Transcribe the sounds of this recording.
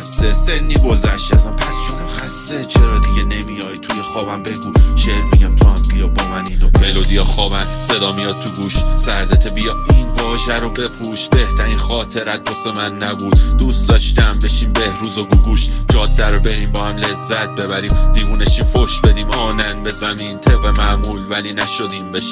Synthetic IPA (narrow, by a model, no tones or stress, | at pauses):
st̪ese̞nːiːɡo̞zæʃt̪æzɔmpʰæst͡ʃʰonæmxæsːet͡ʃʰeɾɒːd̪iɟenemijɒːjt̪ʰujexɒːbæmbe̞ɡuːʃeːɾmiɟæmt̪ʰoæmbijɒbɒːmæniːnobelod̪ijɒxɒːbænse̞d̪ɒːmijɒd̪̚t̪ʰuɡuːʃsæɾd̪et̪ʰebijɒinvɒːʒæɾobe̞pʰuːʃbe̞ht̪ʰæɾiːnχɒːt̪ʰe̞ɾæt̪̚bosemænːæbuːd̪d̪ust̪̚d̪ɒʃt̪æmbe̞ʃiːmbe̞hɾuːzoɡuɡuːʃd͡ʒɒːd̪ːæɾobe̞ɾiːmbɒːhæmle̞zːæt̪̚ʰbe̞bæɾiːmd̪iːvuːneʃiːmfoʃbe̞d̪iːmɒːnænbe̞zæmiːnt̪ʰebemæmuːlvælinæʃod̪iːmbeʃ